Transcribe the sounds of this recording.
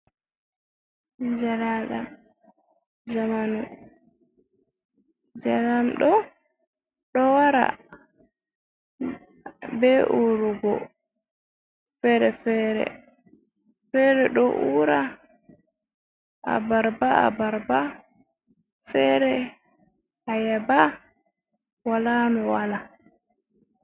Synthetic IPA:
d͡ʒalaɗam | d͡ʒamanu | d͡ʒalamɗɔ | ɗɔwaɾa̰ | bɛʔuɾuɡɔ̰ | fɛɾɛfɛːɾɛ̰ | fɛɾɛɗɔ̰ʔuɾa | ʔa̰baɾbaa̰baɾba | fɛɾɛ | ajɛba | walaːnuwala

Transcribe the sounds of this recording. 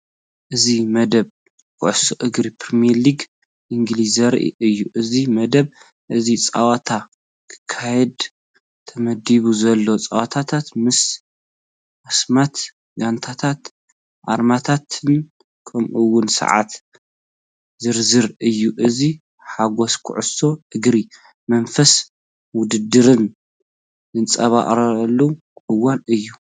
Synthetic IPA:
ʔɨzimɐd̪ɐβ | kʰʊʕsoʔɨɡɾipʰɾimiliɡ | ʔiŋɡlizɐɾʔḭʔɨjːuʔɨzimɐd̪ɐβ | ʔɨzit͡sʼa̰wat̪ʰa | kʰɨ̥kʰːajɛd̪ | t̪ʰɐmɐd̪iβuzɐlːo̞t͡sʼa̰wat̪ʰat̪ʰat̪mɨs | ʔasmat̪ | ɡant̪ʰat̪ʰat̪ | ʔa̰ɾmat̪ʰat̪ʰɨn | kʰɐmʔɨwːʊnsɐ̰ʕa̰t̪ | zɨɾzɨɾɨjːuʔɨzi | ħaɡo̞skʰʊ̰ʕʊso̞ʔɨɡɾi | mɐnfɐs | wʊd̪ɨd̪ɨɾɨnː | ɨnt͡sʼɐβa̰ʔʼɾɐɐlːu | ʔɨwanɨjːu

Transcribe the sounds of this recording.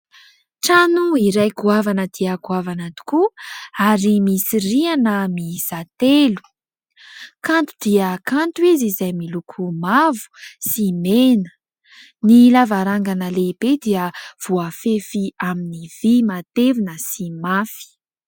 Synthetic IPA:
ʈ͡ʂanuiɾajkuavanəd̪̥iakuavanat̪u̥kuaɾimisirianəmizat̪elu̥ | kant̪ud̪̥iəkanɳʈ͡ʂwizizajmilukʰumavu̥simenə̥ | nilavaɾaŋɡanəleib̥ed̪iəv̥oafefiaminivimat̪evinəsimafi̥

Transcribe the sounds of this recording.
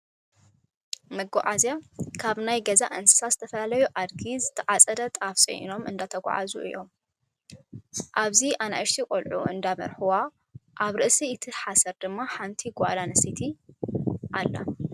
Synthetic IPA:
mɐɡo̰ʕazjakʰaβnajɡɐzaʔɨnsɨ̥sazɨt̪ʰɐfɐlalɐjuʔad̪ɡizɨt̪ʰɐʕat͡sʼɐd̪ɐt̪ʼafsʼɐ̰j̰no̞mʔɨnd̪at̪ʰɐɡʷa̰ʕa̰zṵʔɨ̰jːo̞m | ʔaβziʔana̰ʔɨʃt̪ʰikʼolʕṵɨ̰nd̪amɐ̰ɾħuwa | ʔaβɾɨʔsiɨt̪ʰiħasɐɾd̪ɨmːaħant̪ʰiɡɔʔalanɐsit̪ʰi | ʔalːɐ̰

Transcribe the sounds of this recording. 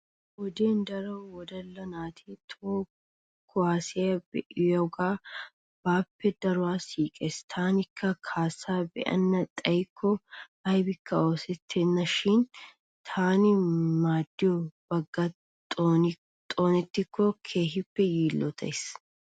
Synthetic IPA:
wɔd̪eːnd̪ɐɾɐwwɔd̪ɐlːɐnaːt̪ʰiːt̪ʰoː | kʰːʊaːsɪjɐbɛ̰ʔɪjɐʊɡaː | b̥aːpːɛd̪ɐɾʊwaːsiːkʼeːst̪ʰaːnɪkʰːɐkʰaːsaːbɛ̰ʔɐ̰nːɐt̪ʼɐjkʰːɔ | ɐjbɪkːɐo̞ːsɛt̪ʰːeːnːɐʃɪn | t̪ʰaːnɪmaːd̪ːɪjɔbɐɡːɐ | t̪ʼoːn | t̪ʼoːnɛt̪ːɪkʰːɔkʰeːɦɪpːɛjiːlːɔt̪ɐ̰js

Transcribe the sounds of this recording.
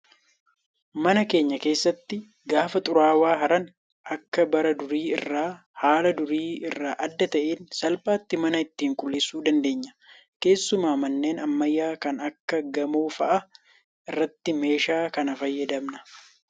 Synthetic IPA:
mɐnɐke̞ːɲːɐke̞ːsːɐt̪ːɪ | ɡaːfɐt̪ʼʊɾaːwaːɦɐɾɐn | ʔɐkːɐbɐɾɐd̪ʊɾiːɪ̰rːaː | haːlɐd̪ʊɾiːɪrːaːʔɐd̪ːɐt̪ɐʔeːnsɐlpʼaːt̪ːɪmɐnɐɪt̪ːiːŋkʼʊlːeːsːuːd̪ɐnd̪e̞ːɲːɐ̥ | ke̞ːsːʊmaːmɐnːe̞ːnɐmːɐjːaːkɐnɐkːɐɡɐmoːfɐʔɐ | ʔɪrːɐt̪ːɪme̞ːʃaːkɐnɐfɐjːɐd̪ɐmnɐ̥

